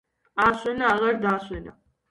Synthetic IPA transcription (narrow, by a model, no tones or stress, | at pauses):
asʼɛnaːʁaɾd̪aːswɛna̰